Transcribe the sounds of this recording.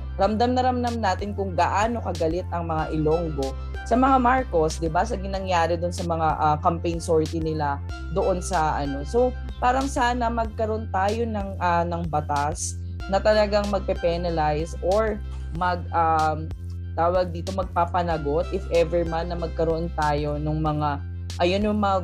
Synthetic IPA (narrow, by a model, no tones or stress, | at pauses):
ɾɐmd̪amnɐɾɐmd̪amnaːt̪ɪnkʊŋɡɐʔaːno̞kɐɡɐlɪt̪̚ɐŋmɐŋaʔɪlo̞ŋɡo̞ | sɐmɐŋamaɹko̞sd̪ɪbasɐɡɪnɐŋjaːɾɛd̪ʊnsɐmɐŋaʔakɐmpɛjnso̞ɹt̪ɪnɪla | d̪oʔo̞nsɐʔɐno̞so̞w | paːɾɐŋsaːnɐmɐɡ̚kɐɾoont̪aːjo̞nɐŋʔanɐŋbɐt̪as | nɐt̪ɐlɐɡaŋmɐɡ̚pɛpɛnɐlajsʔoɹ | mɐɡ̚ʔam | t̪aːwɐɡ̚d̪iːt̪o̞mɐɡ̚paːpɐnɐɡo̞t̪ʔɪfʔɛvɛɹmanːɐmɐɡ̚kɐɾoʔont̪aːjo̞nʊŋmɐŋa | ʔɐjonjʊŋmɐŋa